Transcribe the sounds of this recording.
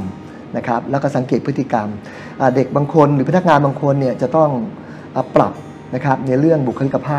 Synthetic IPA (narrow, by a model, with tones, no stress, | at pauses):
na˦˥kʰɾa˦˥p̚lɛː˦˥kɔː˥˩sa˩˦ŋkeː˨˩t̪̚pʰɯ˦˥t̪ːʰi˨˩ka˧m | ʔaː˨˩de˨˩k̚baː˧ŋkʰo˧nɾɯː˦pʰa˧na˥k̚ŋaː˧nbaː˧ŋkʰo˧nːi˥˩ət͡ɕa˨˩t̪ɔ˥˩ŋ | ʔəː˨˩pːɾa̰˨˩p̚ | na˦˥kʰa˦˥p̚na˧jɾɯ˥˩əŋbu˨˩kʰːɾi˦˥kːa˧pʰaː˥˩